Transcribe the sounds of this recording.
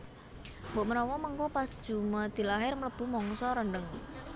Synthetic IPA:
mboʔmənɔwɔməŋkɔpasd̥ʒ̥ṳmad̪̥i̤laɦɪrmələb̥ṳmɔŋsɔɾəɳɖəŋ

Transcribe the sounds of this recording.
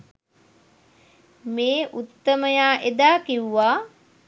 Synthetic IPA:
meːʔut̪ːəməjaːʔed̪aːkiwuʋaː

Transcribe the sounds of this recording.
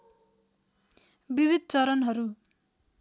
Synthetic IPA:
bibʱid̪̚ʱt͡sʌɾʌnɦʌɾu

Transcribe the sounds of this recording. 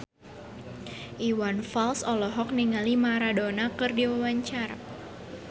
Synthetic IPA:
ʔiwanfalsɔlɔɦɔk̚niŋalimaɾadonakɨrdiwawaɲt͡ʃaɾa̰

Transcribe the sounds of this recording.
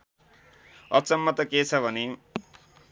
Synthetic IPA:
ʌt͡sʌmːʌt̪ʌket͡sʰʌbʱʌne

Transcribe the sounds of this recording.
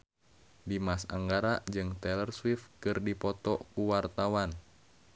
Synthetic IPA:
dimasa̰ŋɡaɾad͡ʒɨŋt̪ɛlərswifkɨrdipɔt̪ɔkuwart̪awan

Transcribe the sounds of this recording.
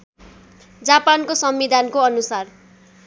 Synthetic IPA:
d͡zapankosʌmbid̪ʱankoʌnusar

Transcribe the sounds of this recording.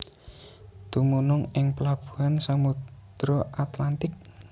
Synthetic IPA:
d̪̥umunʊŋɪŋpəlab̥ṳ̥ɦansamut̪ɾɔʔat̪lant̪ɪk̚

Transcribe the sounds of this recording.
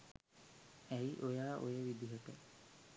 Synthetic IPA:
ɛjʔojaːʔojəʋid̪iɦoʈə̰

